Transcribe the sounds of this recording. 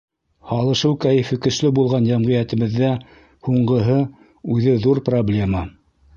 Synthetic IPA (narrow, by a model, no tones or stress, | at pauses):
hɑlˠɤ̆ʃɤwkæjɘ̆fɘkɵ̆ʃlɘbulˠʁɑnjæmʁɤjæt̪ɘ̆βɘ̆ðːæ | huɴɢɤ̆ɦɤ | ʉðɘðuɾproblʲe̞mɑ